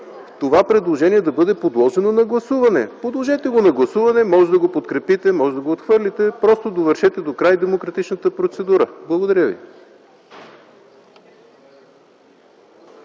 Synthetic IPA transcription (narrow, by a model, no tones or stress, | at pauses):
ft̪ovapɾɛd̪lˠoʒɛniɛd̪ɐbɤd̪ɛpod̪lˠɔʒɛnonɐɡlˠɐsuvɐnɛ̰pod̪lˠoʒɛt̪ɛɡonɐɡlˠɐsuvɐnɛmɔʒɛd̪ɐɡopot̪kɾɛpit̪ɛmɔʒɛd̪ɐɡoːt̪xvɤɾlʲit̪ɛpɾɔst̪od̪ovəɾʃɛt̪ɛd̪okɾajd̪ɛmokɾɐt̪it͡ʃnət̪əpɾot̪sɛd̪uɾəblˠɐɡod̪ɐɾʲjəvḭ